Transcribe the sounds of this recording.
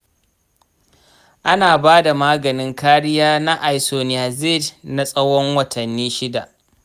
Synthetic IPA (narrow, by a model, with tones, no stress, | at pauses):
ʔa˦naː˨baː˦da˨maː˦ɡɐ˨nɪ˦ŋkaː˦ɽɪ˦jaː˦na˦ʔa˨jsoː˨n˨a˨zɪ˦dna˦sʼɐ˦wɔ˦ŋwɐ˨tʰɐ˨nːiː˦ʃɪ˦da̰˨ʔ